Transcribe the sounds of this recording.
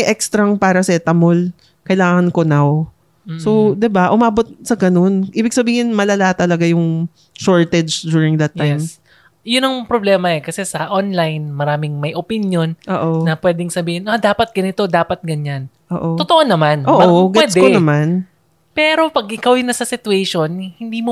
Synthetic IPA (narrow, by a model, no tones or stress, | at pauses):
ɐjʔɛkst̪ɾɐŋpaːɾɐsɛt̪ɐmol | kɐjlaːŋɐnkonaw | sod̪ɛbaʔʊmaːbot̪̚sɐɡɐno̞nʔiːbɪɡ̚sɐbiːhɪnmɐlɐlat̪ɐlɐɡajʊŋ | ʃoɹt̪ɛd͡ʒd̪juːɹɪŋd̪ɐt̪ːajm | jʊnɐŋpɾoblɛːmɐɛkɐsɛsɐʔonlajnmɐɾaːmɪŋmɐjʔopɪnjo̞nʔoːʔoːɐpwɛːd̪ɪŋsɐbiːhɪnʔad̪aːpɐt̪̚ɡɐnɪt̪o̞d̪aːpɐt̪̚ɡɐɲanʔoːʔoot̪oʔonɐmanʔoːʔoɡɛɛd̪konɐman | pɛːɾo̞pɐɡʔɪkawjʊnːɐsɐsɪt̪ʊwɛʃonhɪnd̪iːmo